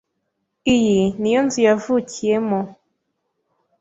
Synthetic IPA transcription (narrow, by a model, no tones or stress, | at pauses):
ijinijonzijavuciemɔ